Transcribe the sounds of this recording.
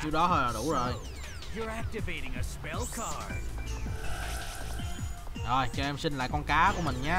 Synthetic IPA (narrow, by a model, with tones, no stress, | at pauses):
t͡ɕi˨˦ɗɔ˨˦həː˧jla˨˩ɗṵ˧˩zo˨˩j | jə˞æk̚tɨveɪɾɪ̃˨ŋəspɛlˠkʰɑɹɹ | zo˨˩jt͡ɕɔ˧˩ɛ˧msï˧n̟la̰ː˧˨jkɔ˧nkaː˨˦ku˧˩əmï˨˩ŋ̟ɲaː˧˦